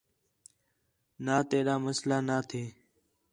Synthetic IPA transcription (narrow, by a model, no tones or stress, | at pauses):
naːt̪eːɗaːməslaːnaːt̪ʰeː